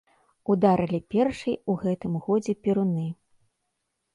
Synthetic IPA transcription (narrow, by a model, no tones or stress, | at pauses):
ud̪aɾɨlʲipʲɛrʂɨjuɣɛt̪ɨmɣɔd͡zʲɛpʲiɾunɨ